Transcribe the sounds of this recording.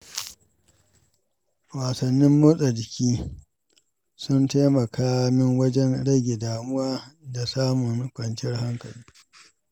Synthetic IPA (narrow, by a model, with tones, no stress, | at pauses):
waː˨sɐ˨nːɪ˦mːoː˦sʼɐ˨dɪ˨kʲiː˦ | sʊ˦ntaː˦mɐ˨kʰaː˦mɪ˦ŋwɐ˦d͡ʒɛ˦nɽɐ˦ɡʲe˨daː˨mʊ˦waː˦da˨saː˦mʊ˨n˦kʷʼɐ˨nt͡ʃɪ˦rha˦ŋkɐ˨liː˦